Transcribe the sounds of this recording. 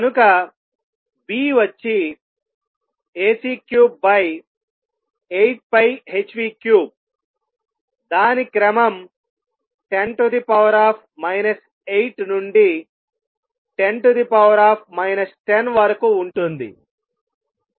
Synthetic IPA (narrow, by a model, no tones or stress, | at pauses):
kɐnukɐ | biːʋɐt͡ʃːi | eːsiːkjuːbːɐj | ejʈ̚pɐjɦet͡ʃʋiːkjuːb̚ | d̪aːnikɾɐmɐm | ʈenʈud̪ipɐʋɐɾaːpʰmɐjnɐs | ejʈnuɳɖi | ʈe̞nʈud̪ipɐʋɐɾaːpʰmɐjnɐsʈenʋɐɾɐkuːɳʈund̪ḭ